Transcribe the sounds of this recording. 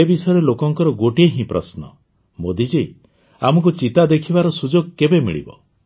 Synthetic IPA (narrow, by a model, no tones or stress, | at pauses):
ebisɔjɔɾelokɔŋkɔɾɔɡoʈieɦĩpɾʔɔsnɔ | mod̪id͡ʒej | am̤ɔk̬ut͡ʃit̪ad̪ekʰibaɾɔsud͡ʒoɡ̚kebemḭɭḭbɔ̰